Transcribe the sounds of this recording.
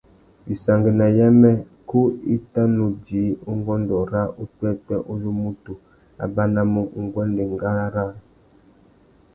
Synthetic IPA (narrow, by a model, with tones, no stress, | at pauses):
bi˨sa˨ŋɡə˨na˨ja˦mɛ˦ | ko˦i˦ta˦no˨d͡ʒi˨˦o˦ŋ˦ɡɔ˦ndɔ˨ɾa˦ʔo˦twɛ˦tɛ˦ʔo˦zu˦mu˦tu˨ | a̰˨ba˦na˦mo˦ŋ˨˦ŋ˦ɡwɛ˦nde˨ŋɡa˦a˦ɾa˦